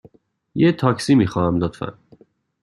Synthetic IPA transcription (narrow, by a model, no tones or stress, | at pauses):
jet̪ʰɒːcsiːmiːxɒːhæmlot̪fæ̰n